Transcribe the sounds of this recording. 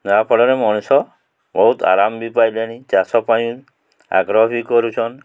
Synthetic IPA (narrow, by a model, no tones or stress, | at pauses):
napʰɔɽɔɾemɔɽ̃isɔ | bɔɦut̪a̰ɾambipajleɽ̃ĩd͡ʒasɔpajũ | a̰ɡɾɔbʱikɔɾut͡ʃʰɔn